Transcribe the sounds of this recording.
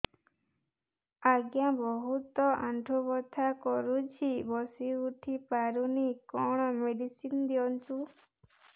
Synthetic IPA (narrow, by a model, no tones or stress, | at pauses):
aɡjabɔɦut̪ɔʔaɳʈubɔt̪ʰakɔɾut͡ʃʰibɔsiuʈʰipaɾunikɔɽ̃ɔmeɖisind̪iɔnt̪u